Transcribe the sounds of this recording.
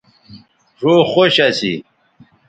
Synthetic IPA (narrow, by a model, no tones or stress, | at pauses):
ʐoːxoɕɐsḭ